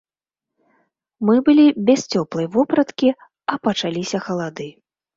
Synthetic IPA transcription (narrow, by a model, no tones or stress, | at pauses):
mɨbɨlʲibʲɛst͡sʲɔplˠɐjvɔpɾɐt̪kʲi | ɐpɐt͡ʂalʲisʲɐxɐlˠad̪ɨ